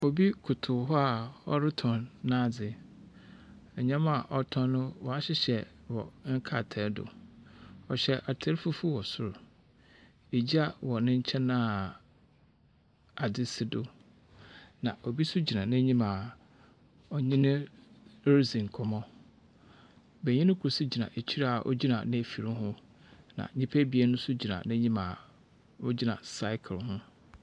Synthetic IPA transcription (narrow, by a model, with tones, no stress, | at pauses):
o˨bi˦kʰʊ˨tʰʊ˨ɦɔ˦a˨ɔ̰˦ɾɪ˦tʰɔ̃˨nːã˦˨d͡zɪ˨ | ɛ˨ɲã˦ma˨ʔɔ˦tʰɔ̃˦nnʊ̃˦wɔ˨a˦ɕɪ˦ɕɛ˨wɔ̰˨ŋ̩˦kʰa˦˨tʰɛ˨˦dʊ̰˨ | ɔ˨ɕɛ˨ʔa˨tʰɛ˦ɾfu˦fu˦wɔ˨sʊ˦ɾ | e˨d͡ʑi˦a˦˨wɔ˨nɪ̃˦ɲ̩˦t͡ɕʰɛ̃˦nã˦˨ | a˨dɪ˦sɪ˦dʊ˨ | nã˨ɔ˨bi˦sʊ˦d͡ʑi˨nã˨nɪ̃˦ɲĩ˦mã˨ | ɔ˨ɲɪ̃˦nɪ̃˦ | ɾzĩ˨n˨kʰɔ˨mɔ̃˦ | bɛ˨ɲɪ̃˦nʊ̃˦kʰu˨su˦d͡ʑi˨nã̰˨ʔe˨t͡ɕʰi˦ɾa˦a˨ʔɔ̰˦d͡ʑi˦nã̰˨nɪ̃˦˨fi˨ɾɪ̃˦ɦʊ̃˦ | nã̰˨ɲĩ˦pʰæ˦bi˨ɛ˦nʊ̃˦sʊ˦d͡ʑi˨nã̰˨nɪ̃˦ɲĩ˦mã˨ | ɔ˦d͡ʑi˦nã̰˨sa˦ɪ˦kʰɪ˨lhʊ̃˦